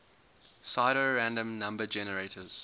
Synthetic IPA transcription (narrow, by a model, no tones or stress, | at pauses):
saɪɾəɹæ̃ndə̃mnãmbəd͡ʒɛnəɹeɪtʰəz̥